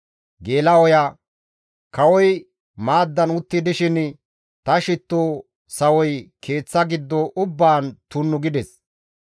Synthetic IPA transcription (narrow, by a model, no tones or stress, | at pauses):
ɡeːlɐwɔja | kɐwɔj | maːd̪ːɐnʊt̪ːɪd̪ɪʃɪn | t̪ɐʃɪt̪ːoː | sɐwɔjkʰe̞ːt͡sːɐɡɪd̪ːɔʔʊbːaːnt̪ʊnːʊɡɪd̪ɛs